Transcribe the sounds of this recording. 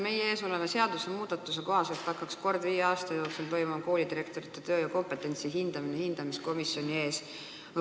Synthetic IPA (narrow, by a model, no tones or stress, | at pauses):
me̞jee̞ːso̞le̞mese̞ɑd̪̥usemuːd̪̥ɑt̪ːˑuseko̞ɦɑselt̪pɑjkːˑɑksko̞rd̪viːjeɑːst̪ɑjo̞ːksult̪o̞jmumko̞ːlid̪iɾe̞kt̪o̞ɾit̪ːˑet̪øːjɑko̞mpe̞t̪ːˑe̞nʲt̪siɦind̪̥ɑminehind̪̥ɑmisko̞misːjo̞nʲie̞ːs